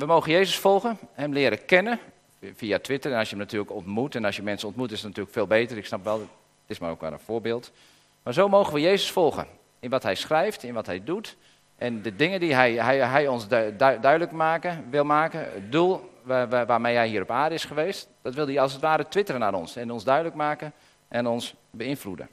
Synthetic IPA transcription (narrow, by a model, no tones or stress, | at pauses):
ʋəmoːɣənjeːzəsfɔlˠɣənhɛmlɪːəɾəkɛnə | fiatʰʋɪtərɛnɑsjəmnatyːləkɔntmutɛnɑsjəmɛnsənɔntmutɪsətnatyːləkfeːlˠbeːtərɪksnapʋɛlˠ | tɪsma̰ro̰wkʋɛ̰lˠə̰nfʊːbɪːlˠt | maːɹzowmoːɣənʋəjeːzəsfɔlˠɣə̰ | ɪnʋɔtɦɛjsχrɛjftɪnʋɔtɦɛjdut | ʔɛndədɪŋəndiɦɛjɦɛjɦɛjɔnsdœɥdələkmaːkəʋɪlˠmaːkəə̰dulˠʋaːmejɦɛjɦiːɾɔpaːrdəɪsχəʋeːstd̥ɔtʋɪlˠdiɑlˠsətʋaːɾətʋɪtərənaɾɔnsɛnɔnsdœɥdələkmaːkə | ʔɛnɔns | bəɪnfludə̰